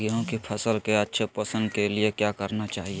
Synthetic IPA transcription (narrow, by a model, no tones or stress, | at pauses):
iõkipʰɐsəlkeɐtːʃʰepəsə̃nd̪keliekjaːkɐɾnat͡ʃaːɦie